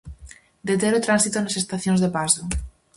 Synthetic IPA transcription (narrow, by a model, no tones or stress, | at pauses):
d̪et̪̬eɾot̪ɾãnsit̪onasest̪aθjõnzðepaso